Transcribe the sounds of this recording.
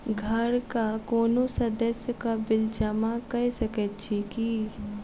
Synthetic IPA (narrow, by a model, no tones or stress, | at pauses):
ɡʱɐɾkakoːnõsɐd̪əsjəkabɪld͡ʒɐmakɐesəkət͡ʃʰiki